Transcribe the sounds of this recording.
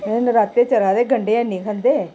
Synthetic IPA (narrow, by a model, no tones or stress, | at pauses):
enɾaːt̪ːeːt͡ʃəɾaːd̪eːɡəɳɖeːãnĩːkʰə̃nd̪eː